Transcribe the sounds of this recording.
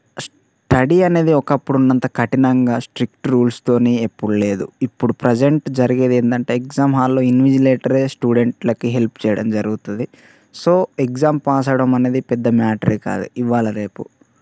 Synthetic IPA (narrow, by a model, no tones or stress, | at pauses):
s | ʈɐɽiɐne̞ːd̪iɔkɐpːuɽunːɐnt̪ɐkʰɐʈinɐŋɡaːsʈɾik̚ʈɾuːlst̪o̞ːneːepːuɽule̞ːd̪uipːuɽupɾed͡ʒe̞ɳʈd͡ʒɐɾiɡed̪eːnd̪ɐɳʈe̞ːekzaːmɦaːlːoːinʋid͡ʒileːʈɐɾeːsʈuːɖe̞ɳʈlɐkiɦe̞lpt͡ʃɛːjɐɽɐmd͡ʒɐɾuɡut̪und̪i | so̞ːekd͡ʒaːmpaːs̬ɐɽɐmɐne̞ːd̪ipɛd̪ːɐmaːʈɐɾka̰ːd̪ṵʔiʋaːlɐɾe̞ːpu